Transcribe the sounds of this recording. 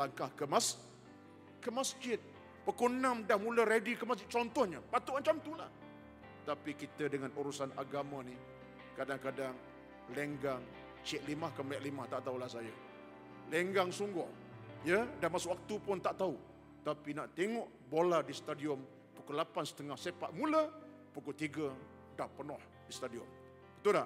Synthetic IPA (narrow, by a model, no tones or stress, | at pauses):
laŋkahkəmas | kəmasd͡ʒɪt̪̚ | pəkunamdahmuləɾedikəmasd͡ʒɪʔt͡ʃɔnt̪ɔhɲəpat̪uʔaɲt͡ʃamt̪ula̰h | t̪apikit̪ədəŋanuɾusana̰ɡamani | kadaŋkadaŋ | leŋɡaŋ | t͡ʃɪʔ̪̚limahkəmɛʔlimaht̪aʔt̪aulahsajə | leŋɡaŋsuŋɡɔh | jədanmasʊʔwak̚t̪upʊnt̪aʔt̪au | t̪apinaʔt̪eŋɔʔ | boladisə̥t̪adiɔm | pukulapansə̥t̪əŋahsepaʔ̪mulə | pukut̪iɡə | dahpənɔh | disə̥t̪adiɔm | pət̪ula